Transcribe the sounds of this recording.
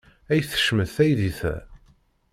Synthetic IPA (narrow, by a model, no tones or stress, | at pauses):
æjθə̥ʃməθæjðiθæ̰